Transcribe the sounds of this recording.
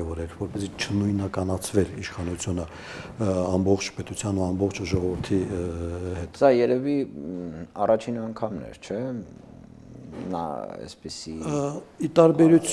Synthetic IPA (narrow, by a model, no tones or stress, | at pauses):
ɛvɔɾɛɾvɔɾpɛzit͡ʃʰənujnɑkɑnɑt͡sʰvɛliʃχɑnut͡sʰjunə | ɑmbɔχt͡ʃʰpɛt̪ut͡sʰjɑnuɑmbɔχt͡ʃʰʒɔʁɔvəɾt̪ʰi | hɛt̪sɑjɛɾɛvi | ɑrɑt͡ʃʰinɑŋkʰɑmnɛ̰ɾt͡ʃʰɛ | nɑ̰ɛ̰spəsiit̪ɑɾbɛɾut͡sʰ